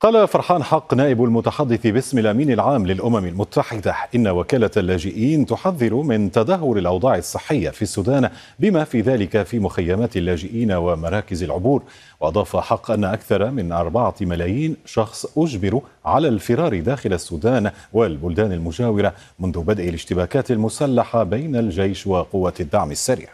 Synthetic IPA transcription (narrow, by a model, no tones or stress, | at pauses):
qɑːlafɑɾˤħaːnħɑqːnaːʔɪbalmʊt̪aħad̪ːɪθbɪsmɪlʔamiːnalʕaːmlɪlʔʊmamalmʊt̪ːaħɪd̪aʔɪnːawakaːlalːaːd͡ʒɪʔiːnt̪ʊħaðːɪɾʊmɪnt̪ad̪aɦːʊɾalʔɑwd̪ˤɑːʕɑsˤːɨħːɪjːa̰fiːasːuːd̪aːn | bɪmaːfiːðaːlɪkafiːmʊxajːamaːt̪alːaːd͡ʒɪʔiːnawamɑɾˤɑːkɪzalʕʊbuːɾ | wɑʔɑd̪ˤɑːfaħɑqːʔanːaʔakθɑɾˤɑmɪnʔɑɾˤbɑʕamalaːjiːnʃɑxsˤʔʊd͡ʒmɪɾʕalaːlfɪɾɑːɾd̪aːxɪlasːuːd̪aːnwalbʊld̪aːnalmʊd͡ʒaːwɪɾa | mʊnðʊbad̪ʔalɪʃt̪ɪbaːkaːt̪almʊsalːaħabajnald͡ʒajʃwaqʊwːad̪ːaʕmasːaɾ